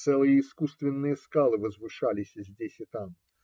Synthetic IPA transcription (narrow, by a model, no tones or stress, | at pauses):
sɛlˠɨjəɪskust̪vʲɪnːɨjəskalˠɨvəzvɨʂalʲɪsʲzʲdʲesʲɪt̪am